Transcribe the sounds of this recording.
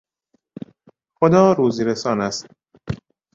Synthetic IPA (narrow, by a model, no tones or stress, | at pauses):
xod̪ɒːɾuːziɾesɒːnæst̪̚